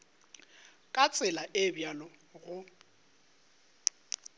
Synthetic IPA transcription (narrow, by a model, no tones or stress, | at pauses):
kʼat͡sʼɪlaʔɪbjalɔɣʊ